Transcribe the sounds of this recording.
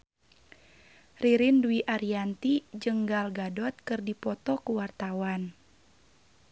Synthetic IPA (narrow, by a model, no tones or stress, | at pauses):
riɾinduiʔaɾiant̪id͡ʒəŋɡalɡadɔt̪̚kɨrdipɔt̪ɔkuwart̪awan